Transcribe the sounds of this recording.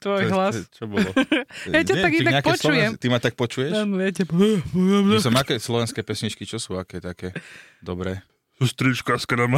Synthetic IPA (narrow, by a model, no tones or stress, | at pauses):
t̪ʋɔjɦlast͡ʃɔbɔlɔjaɲaɛt̪aɡiɡ̪aɲɛakpɛɔst͡ʃɔujɛt̪imat̪ak̚pɔt͡ʃujɛʃanɔatɛbɔɛmɛsɛmakɛːslɔʋɛnskɛːpɛsɲit͡ʃkit͡ʃɔsuːakɛːt̪akɛː | d̪ɔbɾɛː | sust̪ɾit͡ʃkaskɾama